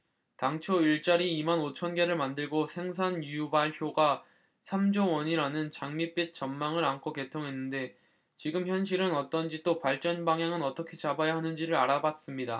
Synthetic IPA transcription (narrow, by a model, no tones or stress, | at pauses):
taŋt͡ɕʰoiɭt͡ɕ͈aɾiːmanot͡ɕʰʌnɡe̞ɾɯɭmandɯɭɡosʰe̞ŋsʰanjujubaɭçʰjoɡa | sʰamd͡ʑowʌɲiɾanɯnt͡ɕaŋmip͈et̚t͡ɕ͈ʌmmaŋɯɾankʰoke̞tʰoŋɦe̞nːɯnde̞ | t͡ɕiɡɯmçjʌnɕ̬ʰiɾɯnʌt͈ʌnd͡ʑit͈opaɭt͡ɕ͈ʌnbaŋjaŋɯnʌt͈ʌkʰe̞t͡ɕabajaɦanɯnd͡ʑiɾɯɾaɾabas͈ɯmɲida